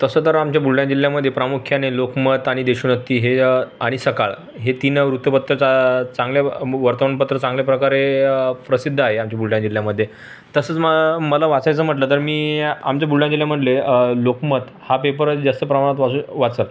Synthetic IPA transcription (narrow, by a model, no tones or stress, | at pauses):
t̪əsət̪əɾamt͡ɕjabuɭɭjãd͡ʑil̤jaməd̪ʱjepɾamukʰjanelokmət̪aɽ̃id̪eɕuːnət̪ːiːɦeaɽ̃isəkaɭ | ɦet̪inɾut̪jəpət̪ɾəat͡sãŋɡljaʋəɾt̪əʋəɳpət̪ɾət͡sãŋɡlepɾəkaɾepɾəsid̪ʱːəaɦeamt͡ɕabuɭɭjãd͡ʑil̤jaməd̪ʱːje | t̪əsəːt͡sməməlaʋat͡sajt͡səm̤əʈlət̪əɾmiːa̰mt͡ɕjabuɭɭjãd͡ʑiljam̤əʈlelokmət̪ | hapepəɾd͡zast̪əpɾəmaɳat̪ʋauʋat͡səl